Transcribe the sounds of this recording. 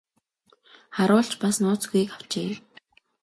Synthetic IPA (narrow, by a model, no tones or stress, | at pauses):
χaɾʊːɬt͡ɕpasnʊːt͡sɡujikaw̥t͡ɕeː